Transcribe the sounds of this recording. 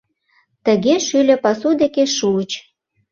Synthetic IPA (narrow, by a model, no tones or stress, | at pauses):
t̪ə̆ɣeʃylʲĕpɑsud̪ekeʃuət͡ɕ